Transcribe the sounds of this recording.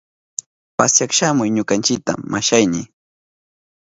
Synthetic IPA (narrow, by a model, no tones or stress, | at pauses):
pasjakʃamʊjɲʊkant͡ʃɪk̚t̪a̰mːaʃajnɪ